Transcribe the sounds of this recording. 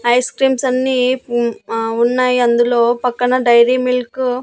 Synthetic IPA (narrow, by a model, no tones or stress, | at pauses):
ɐjskɾiːmsɐnːiː | unːaːjiɐnd̪ulo̞ːpɐkːɐɳɐɖɐjɾiːmilku